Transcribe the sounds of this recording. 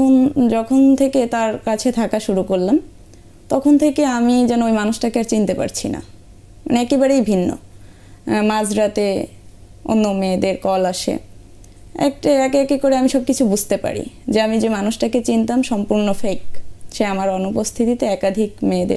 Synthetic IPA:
ond͡ʑɔkʰont̪ʰeket̪aɾkat͡ɕʰet̪ʰakaʃuɾukoɾlam | t̪ɔkʰont̪ʰekeamid͡ʑɛnoojmanuʃʈakeaɾt͡ɕint̪epa̰ɾt͡ɕʰḭna̰ | maneɛkebaɾejbʱinːo̰ | mad͡ʑɾat̪e | o̰nːomed̪eɾkɔlaʃḛ | ɛ̰k̚ʈaɛkeɛkekoɾeamiʃɔb̚kit͡ɕʰubud͡ʑʱt̪epa̰ɾḭd͡ʑeamid͡ʑemanuʃʈaket͡ɕint̪amʃɔmpuɾnofek̚ʃeamaɾɔnupost̪ʰit̪it̪eɛkad̪ʱikmed̪ḛɾ

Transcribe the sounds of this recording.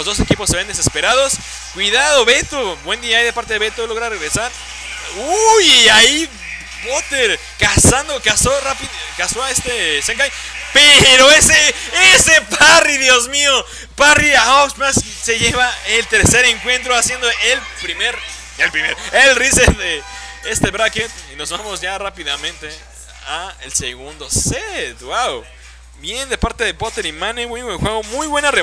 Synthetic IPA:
lo̞zðo̞se̞kipo̞sːe̞βe̞nd̪esespeɾað̞o̞s | kwiðaðo̞βe̞t̪obwe̞nd̪iaajðepaɾt̪e̞ðeβe̞t̪olo̞ɣɾareɣɾe̞saɾ | ujiai | pot̪eɾ | kasand̪okasorapikasoaest̪eseŋkajpeɾo̞eseesepariðjo̞zmio | pariaoksmas | se̞ʝe̞βaelt̪e̞ɾse̞ɾe̞ŋkwe̞nt̪ɾoasje̞nd̪oelpɾimeɾ | elpɾimḛɾoelriseðeest̪eβɾaket̪ino̞zβamo̞zʝarapiðamẽ̞nt̪e | aelseɣund̪o̞set̪ɣwaw | bjend̪e̞paɾt̪eðepot̪e̞ɾimanemujβweŋxweɣo̞mujβwe̞nare

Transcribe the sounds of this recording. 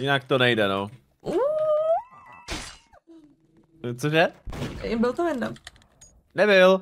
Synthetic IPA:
jɪnak̚t̪onɛjdɛnow | ʔu | t͡soʒɛ | bɪlt̪omjɛdnam | nɛbɪl

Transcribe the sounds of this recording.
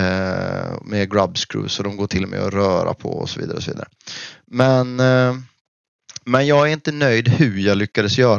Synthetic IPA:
meɡɾabskɾʉ̰ːsɔd̪ɔmɡoːʈʰɪlmɛ̰jɔɾœːɾa̰pʰɔ̰ɔ̰sɔvḭːd̪aɾəɔsɔvḭːd̪aɾəmɛn | mɛnjɑːɡæɾɪnt̪ənœjd̪hɵɾjɑːɡlʏkːad̪əsjœːɾ

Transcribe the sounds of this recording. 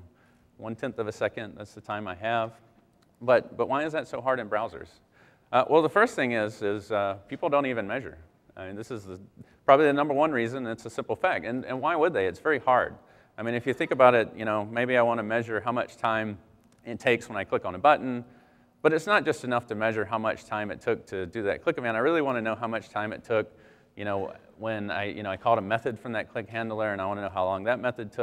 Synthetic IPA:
wʌ̃ntʰɛ̃nθʌvɨsɛkɨ̃nðæ̰tsðɨtʰãɪ̃maɪɨv | bʌt̚b̥ʌʔ̚wʔaɪɨzðɨtsoʊɦɑɹɾɨ̃nbɹaʊzə̰˞z̥ | ʔʌwʔɛlˠðəfɜ˞st̪θɪ̃ŋɪzɪz̥ʌpʰipl̩ˠdõʊ̃ntivɨ̃nmɛʒə̰˞ | aɪmĩnðɪsɨzðɨpʰɹ̥ɑbəbliðɨnʌ̃mbə˞wʌ̃nɹizɨ̃ñnɨtsəsɪ̃mpl̩ˠfæk̚tɨ̃nɨ̰̃nwaɪwəd̪̚ðeɪɨtsv̥ɛɹihɑɹd̥̚ | aɪmĩnɨfjɨθɪ̃ŋkɨbaʊɾɪt̚jɨɾ̃oʊmeɪbiaɪwɑ̃ñɨmɛʒə˞ɦaʊmʌt͡ʃtʰãɪ̃m | ɨtʰeɪkswə̃ñaɪkʰl̥ɪkn̩əbʌʔn̩ | b̥ʌɾɨtsnət̚d̥ʒ̥ʌstɨnʌftʰɨmɛʒə˞ɦaʊmʌ̰t͡ʃtʰãɪ̃mɨtʰʊk̚tʰɨdɨðɨ̰t̚kʰl̥ɪkɨvɨ̃naɪɹɪlˠiwɑ̃ñɨnoʊɦaʊmʌt͡ʃtʰãɪ̃mɨ̰tʰʊk | jɨñoʊ | wɨ̃na̰ɪjɨ̰ñoʊaɪkʰɔlˠɾəmɛθɨd̥fɹʌ̃mðɨt̚kʰl̥ɪkɦæ̃ndˡl̩ˠə˞ɨ̃naɪwɑ̃nənoʊɦaʊlɔ̃ŋðɨt̚mɛθɨd̚tʰʊ

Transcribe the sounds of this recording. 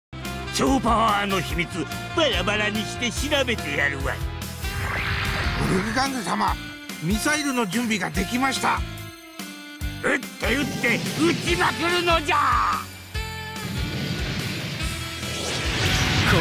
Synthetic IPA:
t͡ɕoːpaβaano̞çimʲit͡sɨ | b̥aɾabaɾaɲ̟iɕi̥t̪e̞ɕiɾabe̞t̪e̞jaɾɯβa̰i | oɾikʲiɡãnɡ̪esama | mʲisaiɾɯ̟no̞d͡ʑɨ̃mbʲiɡad̪e̞kʲimaɕi̥t̪a̰ | et̪ːojɯt̪ːe̞ɯt͡ɕimakɯɾɯ̟no̞d͡ʑa

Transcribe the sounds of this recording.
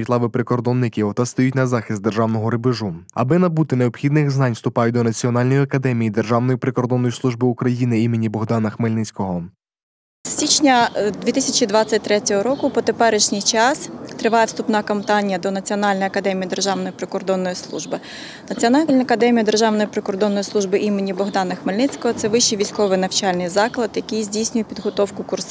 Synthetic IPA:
it̪lˠɑʋɪpɾɪkɔrd̪ɔnːɪkʲiɔt̪ɑst̪ɔjutʲnɐzɑxʲist̪d̪erʒɑwnɔɦɔɾɪbɪʒuɐ̰bɪnɐbut̪ɪneɔbxʲid̪nɪxznɑnʲst̪ʊpɑjʊt̚ʲd̪ɔnɐt͡sʲiɔnɑlʲnɔjiɐkɐd̪ɛmʲijid̪erʒɑwnɔjipɾɪkɔrd̪ɔnːɔjislˠuʒbɪukɾɐjinɪimɪnʲːibɔɦd̪ɑnɐxmelʲnɪt͡sʲkɔɦɔ | sːʲit͡ʃnʲɐd̪ʋʲit̪ɪsʲɐt͡ʃid̪ʋɑt͡sʲːɐt̚ʲt̪ɾɛtʲɔɦɔɾɔkʊpɔt̪epɛɾɪʃnʲijt͡ʃɑst̪ɾɪʋɑjɛʋst̪ʊpnɑkɐmt̪ɑnʲijɐd̪ɔnɐt͡sʲiɔnɑlʲnɔjɐkɐd̪ɛmʲijid̪erʒɑwnɔjipɾɪkɔrd̪ɔnːɔjislˠṵʒbɪ | nɐt͡sʲiɔnɑɐkɐd̪ɛmʲijɐd̪erʒɑwnɔjipɾɪkɔrd̪ɔnːɔjislˠuʒbɪʔimɪnʲːibɔɦd̪ɑnɐxmelʲnɪt͡sʲkɔɦɔt̪sɛʋɪʃijʋʲijsʲkɔʋɪjnɐwt͡ʃɑlʲnɪjzɑklˠɐd̪jɐkɪjzʲdʲijsʲnʲʊjʊpʲid̪ɦɔt̪ɔwkʊkurs

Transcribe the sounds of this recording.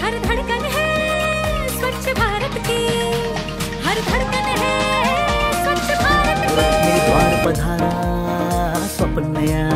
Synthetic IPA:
ɦɐɾd̪ʱɐɽ̃kɐnɦɛ | swɐt̪ːʃəbʱaːɾət̪ki | ɦɐɾd̪ʱɐɽkɐnɦɛ | swɐt̪ːʃjəbʱaːɾət̪ipaːɾpɐd̪ʱaːɾa | sɐpnːɐja

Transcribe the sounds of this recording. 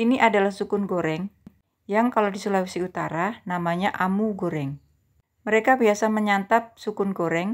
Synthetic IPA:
iniʔadalahsukʊnɡoɾɛŋ | jaŋkaladisulawisiut̪aɾanamaɲaʔamuɡoɾɛŋ | məɾekabiasaməɲant̪ap̚sukʊnɡoɾɛŋ

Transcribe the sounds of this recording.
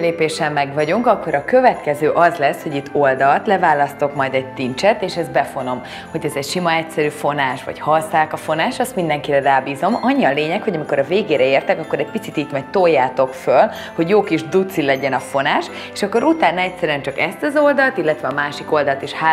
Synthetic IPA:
leːpeːʃɛmːɛɡvɒɟuŋkɒkːo̞ɾɒkø̞vɛt̪kɛzøːʔɒzlɛsho̞ɟit̪ːo̞ld̪ɒlt̪lɛvaːlɒst̪o̞kmɒjd̪ɛɟ̚t̪int͡ʃɛt̪eːʃɛzd̪̚bɛfo̞no̞m | ho̞ɟɛzɛcʃimɒɛcsɛɾyːfo̞naːʃʋɒ̰ɟhɒsaːkɒfo̞naːʃɒst̪mind̪ɛŋkiɾɛraːbiːzo̞mɒɲːiɒleːɲɛkho̞ɟɒmiko̞ɾɒveːɡeːɾɛeːrt̪ɛkɒkːo̞ɾɛɟ̚pit̪sit̪iːt̪mɒɟ̚t̪ojːaːt̪o̞kføl | ho̞ɟjoːkiʒd̪ut̪silɛɟɛnɒfo̞naːʃ | eːʃɒkːo̞ɾut̪aːnɒɛcʲsɛɾyɛnt͡ʃɒkɛst̪ɛzo̞ld̪ɒlt̪ilːɛt̪ʋɛɒmaːʃiko̞ld̪ɒlt̪iʃha

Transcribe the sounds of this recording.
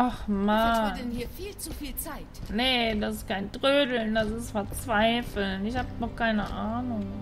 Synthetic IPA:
ʔaχmanːiːt͡sufiːaɪtnədasɪ̥stkʰaɪndʁøːdl̩ndasɪstfɛɐt͡sv̥aɪfl̩nɪçhaːbədɔχkʰaɪnəʔaːnʊŋ

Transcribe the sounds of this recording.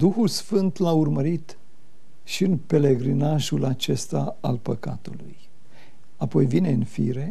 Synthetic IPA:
d̪uxulsfɨnt̪laurməɾit̪ | ʃiɨnpe̞le̞ɡɾinaʒulat͡ʃe̞st̪aalpəka̰t̪uluj | apo̞jvine̞ɨnfḭɾe̞

